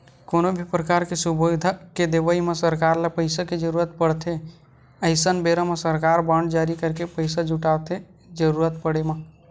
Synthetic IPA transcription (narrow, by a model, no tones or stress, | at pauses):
konobʱipɾəkaɾkesubod̪ʱaked̪ebəimesəɾkaɾlapəɪsaked͡ʒəɾuɾət̪̚pəɽt̪ʰe | əɪsənbeɾəmesəɾkaɾbəɳɖd͡ʒaɾikəɾkepəɪsad͡ʒuʈat̪e | d͡ʒəɾuɾət̪̚pəɽema